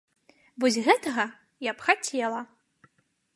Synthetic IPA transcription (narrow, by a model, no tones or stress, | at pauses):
vɔsʲɣɛt̪ɐɣɐ | japxat͡sʲɛlˠɐ